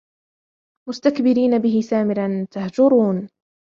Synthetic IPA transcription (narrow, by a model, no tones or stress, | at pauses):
mʊst̪akbɪɾiːnabɪɦɪsaːmɪɾant̪ahd͡ʒʊɾuːn